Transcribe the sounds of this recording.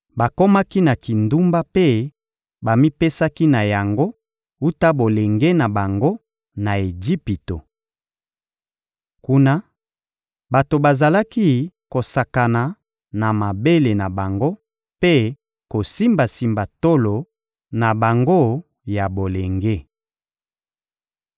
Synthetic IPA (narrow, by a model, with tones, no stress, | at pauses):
ba˨ko˦ma˦ki˦na˨ki˨ndu˦mba˦pe˦ | ba˨mi˦pe˦sa˦ki˦na˨ja˨ŋɡo˦ | u˦ta˦bo˨le˨ŋɡe˦na˨ba˨ŋɡo˦ | na˨e˨d͡ʒi˦pi˨to˨ | ku˦na˦ | ba˨to˨ba˨za˨la˦ki˦ko˨sa˨ka˨na˨ | na˨ma˨be˦le˨na˨ba˨ŋɡo˦ | pe˦ | ko˨si˦mba˨si˨mba˨to˦lo˨ | na˨ba˨ŋɡo˦ | ja˨bo˨le˨ŋɡe˦